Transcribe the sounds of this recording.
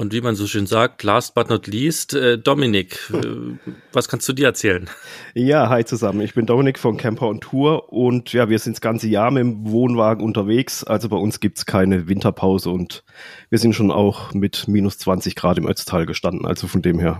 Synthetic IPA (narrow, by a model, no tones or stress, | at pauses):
ʔʊntv̥iːmanzoːʃøːnzaːk̚tlaːst̚b̥atnɐtliːstʔɛdɔmɪnɪkː | vaskʰanstd̥uːdiːɐɛɐt͡sɛːlənjaːɦaɪt͡suzamənɪçb̥ɪndɔmɪnɪkfɔnkʰɛmpʰɐʊntʰːuːɐʔʊntjaːviːɐzɪntsɡ̥ant͡səjaːɐmɪmvoːnvaːɡŋ̩ʔʊntɐveːksʔalzobaɪʊnsɡ̥iːp̚tskʰaɪnəvɪntʰɐpʰaʊzəʊntviːɐzɪntʃoːna̰ʊxmɪtmiːnʊst͡sv̥ant͡sɪçɡ̥ʁaːtɪmʔœ̰t͡stʰaːlɡəʃtandn̩ʔa̰lz̥ofɔndeːmɦeːɐ